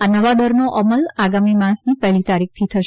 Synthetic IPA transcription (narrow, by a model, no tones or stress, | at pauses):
anəʋad̪əɾnoʔəməlaɡamimãsnipɛɦlit̪aɾik̚ʰt̪ʰit̪ʰəʃ